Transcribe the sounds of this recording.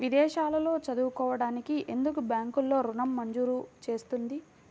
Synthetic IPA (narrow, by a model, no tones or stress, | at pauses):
ʋid̪ɛːʃaːlɐlo̞ːt͡ʃɐd̪uːkɔːʋɐɽaːnikiʔe̞nd̪ukubjaːŋkulːo̞ːɾunɐmːɐɲd͡ʒuːɾut͡ʃe̞ːst̪und̪i